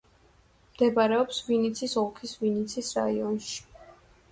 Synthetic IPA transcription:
md̪ɛbaɾɛɔpsvinit̪sʰisɔlˠkʰisvinit̪sʰisɾa̰iɔnʃi̥

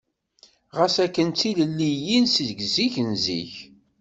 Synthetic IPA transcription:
ʁəsækːənt͡s̪iləlːijinsðɡziçənzḭç

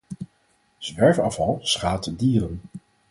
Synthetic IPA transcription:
z̥ʋɛɹfɑfɑlˠsχaːtdiːrən

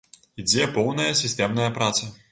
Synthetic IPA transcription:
id͡zʲɛpɔwnɐjɐsʲisʲt̪ɛmnɐjɐpɾat̪sɐ

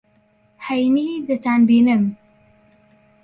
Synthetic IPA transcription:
hajnid̪ət̪anbinəm

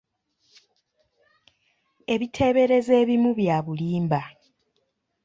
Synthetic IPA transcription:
e̞βitʰe̞ːβe̞ɾe̞ze̞ːβimuβjaːβuliːmba

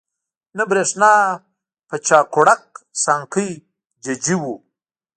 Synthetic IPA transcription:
nabɾeʂnaː | pət͡ʃaːkoɽak̚saŋkəj | d͡ʒad͡ʒiwu

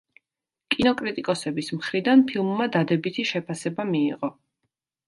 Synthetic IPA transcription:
kʼinɔkʼɾit̪ʼikʼɔsɛbismχɾid̪anpʰilˠmːad̪ad̪ɛbit̪ʰiʃɛpʰasɛbamiːʁɔ

